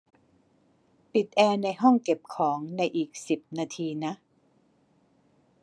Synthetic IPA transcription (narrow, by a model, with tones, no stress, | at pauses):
pi˨˩t̪̚ʔɛː˧na˧jɦɔ˥˩ŋke˨˩p̚kʰɔː˩˦ŋna˧jʔiː˨˩k̚si˨˩p̚naː˧t̪ʰiː˧na˦˥ʔ